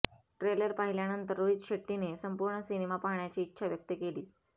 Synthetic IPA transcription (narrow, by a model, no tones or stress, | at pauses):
ʈɾeləɾpaɦiljanənt̪əɾːoit̪ɕeʈːinesəmpuɾɳəsinemapaɦɳjat͡ɕiːtːɕʰaʋjək̚t̪əkeliː